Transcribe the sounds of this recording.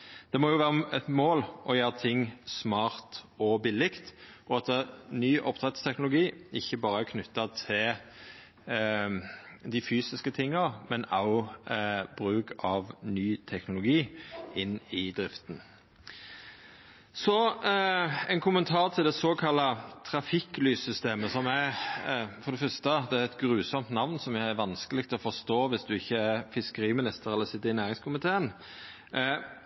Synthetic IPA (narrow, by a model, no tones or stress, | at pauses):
d̪̥ɛmɔjʊʋæːʁəɛt̪moːlʔɔjøːɾət̪ʰɪŋsmɑːɾt̪ɔbɪlːɪkt̪ʔɔɑt̪ənyːʔɔpːt̪ʰʁɛt̪st̪ʰɛknʊlʊɡiːɪçːəbɑːɾəæɾkʰnʉt̪ːɑt̪ʰɪl | d̪ɪfyːsɪskət̪ʰɪŋːɑʁmɛnɑ̰ʊ | bɾʉːkʰɑʋnyːt̪ʰɛknʊlʊɡiːɪnːɪd̪ɾɪft̪n | sɔ | ɛɪnkʰʊmənt̪ʰɑːʁt̪ʰɪld̪ɛsoːkʰɑlːɑt̪ʰɾɑfɪklyːsʏst̪eːməsɔmæ | fɔd̪ɛfœst̪əd̪ɛæɛt̪ɡɾʉːsɔmt̪nɑʋnsɔmjææʋɑnskəlɪk̚t̪ʰɔfɔst̪oːʋɪsd̪ʉɪçːəæɾfɪskəɾiːmɪnɪst̪əɾɛlːəsɪt̪ːəɾɪnæːɾɪŋskʰʊmɪt̪ʰeːən